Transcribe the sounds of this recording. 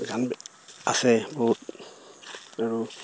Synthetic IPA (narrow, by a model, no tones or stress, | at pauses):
ɡanb | a̰sɛboɦut̚ | aɹu